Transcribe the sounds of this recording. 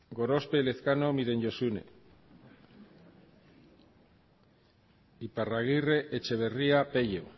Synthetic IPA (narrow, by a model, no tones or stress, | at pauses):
ɡoɾo̞speleθkanomiðe̞ɲɟosunḛ | iparaɣire̞ʔet͡ʃe̞βeriapeʎe